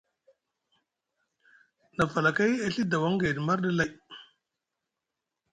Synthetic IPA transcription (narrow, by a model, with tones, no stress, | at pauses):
na˨fa˨la˨ka˦ja˦ɬi˦da˨wa˦ŋɡa˨di˨ma˦ɾɗi˦la˦j